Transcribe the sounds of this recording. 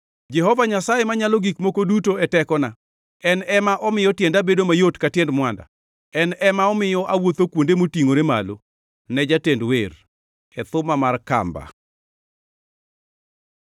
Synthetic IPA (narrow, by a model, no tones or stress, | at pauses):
d͡ʒɛɦɔvaɲasajemaɲalɔɡikmokodutoɛtɛkɔna | ɛnɛmaʔɔmɪjɔtjɛndabedomajotkatjɛndmwanda̰ | ɛnɛmaɔmɪjɔʔawot̪okwondemotiŋoɾema̰lo | nɛd͡ʒatendwer | ɛt̪ʊmamarka̰mba̰